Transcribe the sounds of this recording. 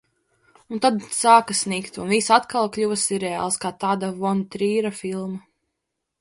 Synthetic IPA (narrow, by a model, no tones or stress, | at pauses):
unt̪ad̪saːkasnikt̪unvisat̪kalˠklʲuvɐsiɾɛa̰ːlˠskaːt̪aːd̪avɔnt̪ɾiːɾafilˠma